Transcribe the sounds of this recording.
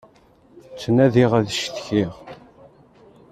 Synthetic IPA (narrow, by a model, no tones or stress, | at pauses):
t͡sːənæðiʁæðʃθçiʁ